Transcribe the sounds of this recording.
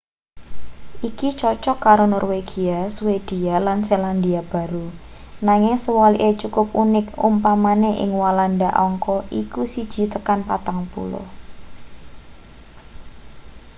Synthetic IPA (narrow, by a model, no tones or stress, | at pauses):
ʔikit͡ʃɔt͡ʃɔkːaɾonɔrweɡ̥iaswed̪̥ialanseland̪iab̥a̤ɾu | naŋɪŋsəwɔliʔet͡ʃukʊp̚unɪkṵmpamaneʔɪ̰ŋwalandaʔɔŋkɔʔikusid̥ʒ̥i̤t̪əkanpat̪aŋpṵlɔ̰h